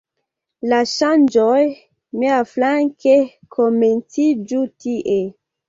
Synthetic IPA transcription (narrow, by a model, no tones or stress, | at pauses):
laʃand͡ʒoj | neaflaŋke | kʰoment͡sid͡ʒutiʔe